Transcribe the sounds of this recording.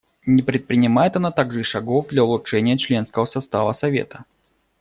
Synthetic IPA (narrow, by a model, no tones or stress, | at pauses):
nʲɪpɾʲɪt̪̚pɾʲɪnʲɪmajɪt̪ɐnat̪aɡʐɨiʂɐɡovd̪lʲɐʊlˠʊtʂɛnʲɪjət͡ɕlʲe̞nskəvəsɐst̪avəsɐvʲḛt̪ə̥